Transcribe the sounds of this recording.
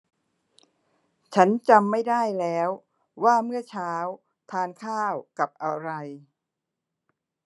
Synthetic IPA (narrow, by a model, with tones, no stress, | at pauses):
t͡ɕʰa˦˥nt͡ɕa˧mːa˥˩jdaː˥˩jlɛː˦˥wː | aː˥˩mɯ˥˩ɐt͡ɕʰaː˦˥w | t̪ʰaː˧nkʰaː˥˩wka˨˩p̚ʔa˧ɾa˧j